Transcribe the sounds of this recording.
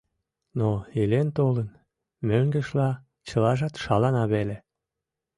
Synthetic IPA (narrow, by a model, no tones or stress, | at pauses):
noilent̪olən | møŋɡəʃlɑ | t͡ɕəlɑʒɑt̪ʃɑlɑnɑβele